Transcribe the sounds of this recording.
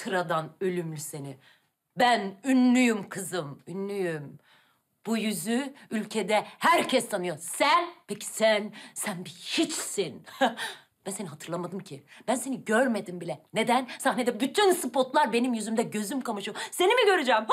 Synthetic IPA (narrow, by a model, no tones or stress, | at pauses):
t̪ʰɯɾad̪anølʲymlʲyse̞ni | bænynlyjymkʰɯzɯmynːyjym | b̥ujyzyylʲcʰed̪ɛhæɾcʰɛst̪ːʰanɯjosænpʰecʰi̥sænsænbihit͡ʃsin | b̥ænse̞niɦat̪ʰɯɾlˠamad̪ɯmcʰib̥ænse̞niɟøɾme̞d̪imbilʲɛned̪ænsahned̪ɛbyt̪ʰynsɯpʰo̞t̪lˠaɾbe̞nimjyzymd̪ɛɟø̞zymkamɯʃɯjose̞nimiɟø̞ɾyd͡ʒɛːm